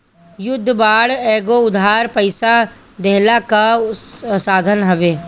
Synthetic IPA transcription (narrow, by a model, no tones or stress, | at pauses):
jʊd̪ʱːbaːɽɛːɡoʊd̪ʱaːɾpəɪsa | d̪ɛɦlaka | saːd̪ʱənɦəʋeː